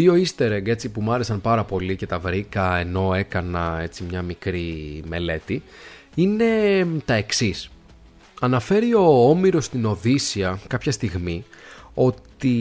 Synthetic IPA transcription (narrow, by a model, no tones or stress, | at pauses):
io̞ist̪e̞ɾeŋɡe̞t͡sipumɐɾe̞sɐnpɐɾɐpo̞lice̞t̪ɐvɾikɐeno̞e̞kɐnɐe̞t͡simɲɐmikɾime̞le̞t̪i | ine̞t̪ɐe̞ksis | ɐnɐfe̞ɾio̞omiɾo̞st̪ino̞ðisiɐkɐpçɐst̪iɣmio̞t̪i